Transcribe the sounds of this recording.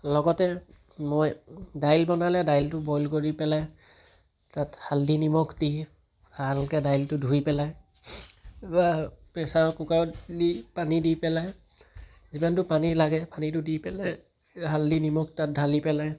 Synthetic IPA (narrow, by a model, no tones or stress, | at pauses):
lɔɡɔtɛ | mojdajlbɔnalɛdajltʊbɔjlkoɹipɛlaj | tathaldinimɔkʰdi | alkɛdajltʊdʱujpɛlaj | bapɛsaɹkukadipanidipɛlaj | zibantʊpanilaɡɛpanitʊdipɛlaj | haldinimɔktat̚dʱalipɛlaj